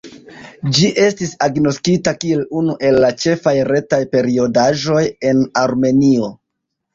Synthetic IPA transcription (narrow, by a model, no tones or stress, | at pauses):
d͡ʒiʔe̞stisaɡno̞skitakie̞lunuʔe̞lːat͡ʃe̞fajɾe̞tajpe̞ɾio̞daʒo̞je̞naɾme̞nio̞